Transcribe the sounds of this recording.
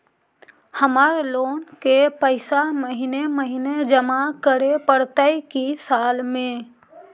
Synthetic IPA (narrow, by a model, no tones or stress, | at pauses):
həmaːɾeloːnkepəɪsaməɦineməɦined͡ʒəmakəɾepəɽt̪əjkisaːlmẽ